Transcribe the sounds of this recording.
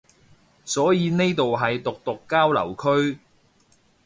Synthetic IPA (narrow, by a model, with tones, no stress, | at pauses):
sɔː˨˥jiː˨˧ne˥jt̪o˨wɦɐ˨jt̪ʊ˨k̚t̪ʊ˨kːaː˥wlɐ̰˨˩wkʰɵ˥ɥ